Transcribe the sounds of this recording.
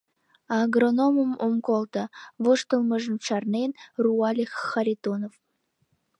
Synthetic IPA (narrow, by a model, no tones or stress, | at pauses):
ɑɡronoməmomkolt̪əβoʃt̪ə̆lˠməʒə̆nʃɑrnenruɑlʲexːɑɾʲit̪onov